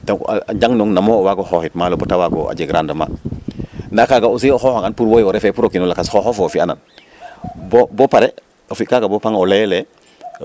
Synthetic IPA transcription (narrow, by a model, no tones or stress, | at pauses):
taaaɟaŋnoŋnamoowaɡohohitmalobotawaɡo̰a̰ɟeɡɾandama̰ | nakaɡaus̬ioxohaŋanpuɾwojoɾefepuɾokinolakasxohofoofiana̰n | bobopaɾe | ofikaɡabopaŋolele